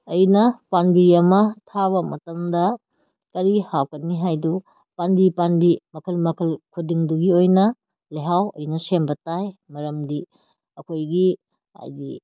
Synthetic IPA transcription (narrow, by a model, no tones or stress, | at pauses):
ɐjnɐpanbiɾiɐmɐtʰaβɐmɐ̰tɐmdɐ | kɐɾihawkɐnːiɦajdu | panbipanbimɐkʰɐlmɐkʰɐlkʰudiŋduɡiojnɐ | leɦawɐjnɐsembɐtajmɐɾɐmdi | ɐkʰojɡi | a̰jɡi